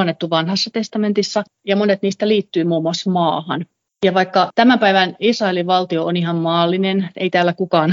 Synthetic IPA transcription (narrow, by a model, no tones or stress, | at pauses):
ɑnːet̪ːuʋɑnhɑsːɑt̪est̪ɑment̪isːɑ | jɑmonet̪niːst̪æliːt̪ːyːmuːmuɑsmɑːhɑn | jɑʋɑikːɑt̪æmæmpæiʋænisrɑeliʋʋɑlt̪ioʔonihɑmmɑːlːinenḛit̪æːlːækukɑːn